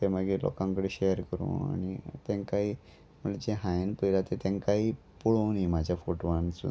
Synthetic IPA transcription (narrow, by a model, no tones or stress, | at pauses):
t̪emaɡilɔ̰kãŋkəɽeɕejəɾkəɾṵ̃ːa̰ɽ̃it̪ẽnkaɦiː | m̤əɳled͡ʑeɦãjenpəjlat̪et̪ẽnkaɦiː | puɭownimad͡ʑʱjafoʈoʋãnt͡sṵ